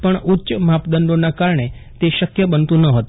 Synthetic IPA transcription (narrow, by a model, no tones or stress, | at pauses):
pəɳʊtːʃəmapd̪ənd̪onakaɾɳet̪eʃəkjəbənt̪ũnəɦət̪ũ